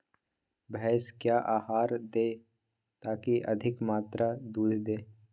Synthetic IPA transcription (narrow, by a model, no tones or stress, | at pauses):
bɛːskjaːʔaːɦaːɾd̪eː | t̪aːkiʔɐ̰d̪ʱɪkmaːt̪ɾad̪uːd̪ʱd̪eː